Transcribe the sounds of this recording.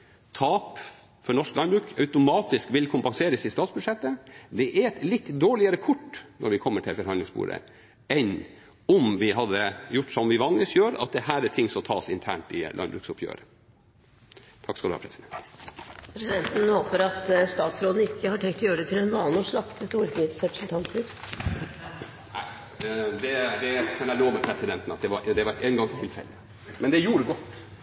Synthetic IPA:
t̪ʰɑːp | fɔɳɔʂklɑnbɾʉːkœʉt̪ʊmɑːt̪ɪskʋɪlkʰʊmpɑŋseːɾəsɪst̪ɑːt̪sbʉd̪ʂɛt̪ːəd̪ɛʔæɾɛt̪lɪt̪ːd̪oːɭɪəɾəkʰʊʈːnʔɔɾʋɪkʰɔmːəʈʰɪlfɔɾhɑnɪŋsbṵːɾə̰ | ɛn | ɔmʋɪɦɑd̪ːəjʊʈːsɔmʋɪʋɑŋləsjøːɾɑ̰t̪̚d̪ɛhæːɾæʈʰɪŋːsɔmt̪ʰɑːsɪnt̪ʰæ̰ːɳʈɪlʔɑ̰nbɾʉ̰ːksʊpʰjø̰ːɾə | t̪ʰɑkːskɑlʉhɑ̰pʰɾɛsɪd̪ɛnt̪pʰɾɛsɪd̪ɛnt̪ən̩hoːpəɾɑt̪st̪ɑːt̪sɾoːd̪n̩ɪkʰːəhɑʈʰɛŋkt̪ʰɔjøːɾəɖ̪ɛt̪ʰɪlɛnʋɑːlɔslɑkt̪əst̪uːɾfɾiːd̪sɾɛpɾə̥sn̩t̪ʰɑnt̪əɾ | æ̰ɪ | d̪ɛd̪ɛkʰɑnæloːʋəpʰɾɛsɪd̪ɛnt̪ənɑt̪̚d̪ɛʋɑɾd̪ɛʋɑɾeːnɡɑŋt̪ʰɪlfɛ̰lːɪ | mɛnd̪ɛjuːɾəɡɔt̪ː

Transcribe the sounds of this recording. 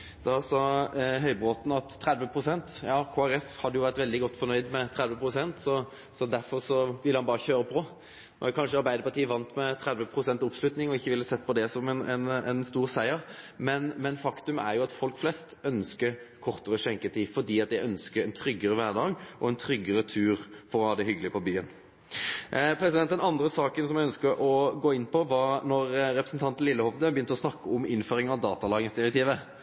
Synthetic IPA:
d̪ɑsɑɦœʏbʁoːt̪n̩ɑt̪ʰːɾæd̪ʋəpʰʁʊsɛnt̪jɑːkʰoːæɾɛfhɑd̪ːəjʊʋæʁt̪ʋɛld̪ɪɡɔt̪ːfɔɾnœʏd̪mɛt̪ʰɾɛd̪ʋəpʰɾʊsɛnt̪sɔ | sɔd̪æɾfɔɾsɔʋɪləhɑnbɑːʁəçøːɾəpʰɔ | ɛ̰kʰɑnʂəɑɾbæɪd̪əɾpɑʈ̪iːʋɑnt̪mɛt̪ʰɾɛd̪ʋəpʰʁʊsɛnt̪ɔpslʉt̪nɪŋɔɪçːəʋɪlːəsɛt̪ːpɔd̪ɛsɔmɛnɛnɛnst̪uːɾsæɪəɾmɛnmɛnfɑkt̪ʉmæ̰ɾjʊɑt̪fɔlkflɛst̪œnskəɾkʰɔʁt̪əɾəɕɛŋkət̪ʰiːfɔd̪iːɑt̪̚jæɪœnskəɾɛnt̪ʰɾʏɡːəɾəʋæɾd̪ɑːɡʔɔɛnt̪ʰɾʏɡːəɾət̪ʰʉːɾfɔʁɔhɑːd̪ɛhʏɡəlɪəpʰɔbyːən | pʰɾɛsɪd̪ɛnt̪ːɛnɑnd̪ɾəsɑːkənsɔmæɪœnskəɾʔɔɡoːɪnːpɔʋɑnɔɾɾɛpɾəsn̩t̪ʰɑnt̪n̩lɪlːəhɔʋd̪əbəjʏnt̪əɔsnɑkːəɔmɪnføːɾɪŋɑʋd̪ɑːt̪ɑlɑːɡənsd̪ɪɾɛk̚t̪ʰiːʋə

